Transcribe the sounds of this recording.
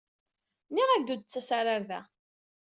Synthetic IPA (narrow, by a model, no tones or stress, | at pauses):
niʁæɡd̪ud̪̚t͡sːæsaɾaɾðæ